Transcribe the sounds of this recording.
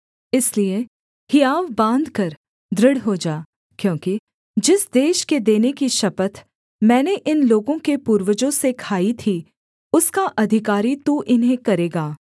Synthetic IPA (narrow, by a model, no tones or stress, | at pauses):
ɪslie | hɪjaːʋbãːnd̪ʱkɐɾ | d̪ɾɪɽɦod͡ʒaː | kjõːki | d͡ʒɪsd̪eːʃked̪eːnekiʃɐpət̪ʰ | mɛ̃ːneʔɪnloːɡõkepuːɾwəd͡ʒõsekʰaːit̪ʰi | ʊskaʔɐd̪ʱɪkaːɾit̪uʔɪnɦẽkɐɾeːɡaː